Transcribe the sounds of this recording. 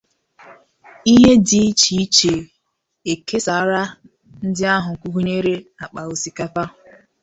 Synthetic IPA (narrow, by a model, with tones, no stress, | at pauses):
i˦ɦe˦di˨˦t͡ʃi˦i˦t͡ʃe˨ | e˨kʰe˦sa˨˦ɾa˦ | n̩˦dɪ˦a˦ɦʊ˨ŋ̩˨kʷu˦ɦu˦ɲe˦ɾe˦a˨k͡pa˨o˨si˨ka˦pa˦ʊ˨